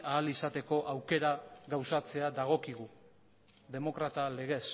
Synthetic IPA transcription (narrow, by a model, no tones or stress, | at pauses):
aːlisat̪e̞ko̞ʔawke̞ɾaɣawsat͡se̞ad̪aɣ̞o̞kiɣu | ðe̞mo̞kɾat̪ale̞ɣe̞s